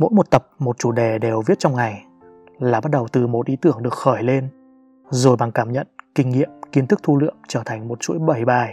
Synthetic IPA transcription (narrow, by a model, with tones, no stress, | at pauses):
mo̰˧˥jmo˨˩t̚t̪ə˨˩p̚mo˨˩t̚t͡ɕu˧˩ɗe˨˩ɗe˨˩wvi˦˥t̚t͡ɕɔ˧wŋ͡mŋa˨˩j | laː˨˩ɓa˦˥t̚ɗə˨˩wt̪ɨ˨˩mo˨˩t̚ʔi˨˦t̪ɨ˧˩əŋɗɨ˨˩ək̚xəː˧˩jle˧n | zo˨˩jɓaː˧˩ŋkaː˧˩mɲə̰˧˨nkï˧ŋ̟ŋḭ˧˨əmki˧ənt̪ʰɨ˦˥k̚t̪ʰu˧lɨ̰˧˨əmt͡ɕəː˧˩t̪ʰa˨˩jŋ̟mo˨˩t̚t͡ɕṵ˧˥jɓə˧˩jɓaː˨˩j